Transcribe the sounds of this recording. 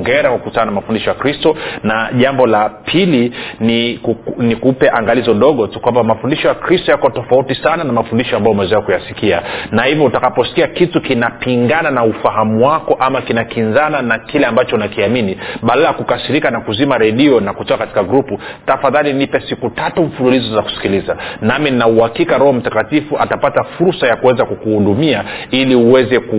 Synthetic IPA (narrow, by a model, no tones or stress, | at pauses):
ŋɡɛɾawakutananamafundiʃɔjakɾistɔnaʄambɔlapʰiliniknikupɛʔaŋɡalizɔɗɔɠɔtukwambamafundiʃɔjakɾistɔjakɔtɔfautisananamafundiʃɔambajɔumɛɛzakujasikianahivɔutakapɔsi̥kiakitukinapiŋɡananaufaɦamuwakɔʔamakinakinzananakilɛambat͡ʃɔunakiaminiɓaɗalajakukasiɾikanakuzimaɾɛɗiɔnakutɔkakati̥kaɡɾuputafaðalinipɛsikutatumfululizɔzaku̥si̥kilizanamininauhakikaɾɔhɔm̩takatifuʔatapatafuɾsajakuwɛzakukuhuɗumiailiuwɛzɛk